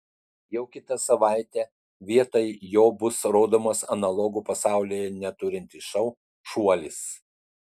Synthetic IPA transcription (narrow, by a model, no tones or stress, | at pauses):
jɛʊkʲɪt̪ɐsɐʋɑˑɪt̪ʲɛ | ʋʲiɛt̪ojjoːbʊsɾoːd̪oːmoːsɐnɐlˠɔɡupɐsɑˑʊlʲiːjɛnʲɛt̪ʊɾʲɪnʲt̪ʲɪʃɐʊ | ʃuɔlʲɪs